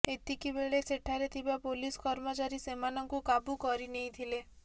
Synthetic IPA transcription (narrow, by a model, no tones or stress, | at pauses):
et̪ikibeɭesʰeʈʰaɾet̪ʰibapoliskɔɾmət͡ʃaɾisemanɔŋkukabukɔɾineĩt̪ʰile